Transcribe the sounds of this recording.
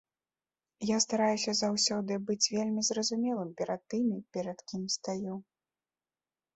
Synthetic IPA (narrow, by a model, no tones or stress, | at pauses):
jast̪aɾajusʲɐzawsʲɔd̪ɨbɨt͡sʲvʲelʲmʲizrɐzumʲɛlˠɨmpʲɛɾɐt̪ːɨmʲipʲɛɾɐt̪kʲimst̪aju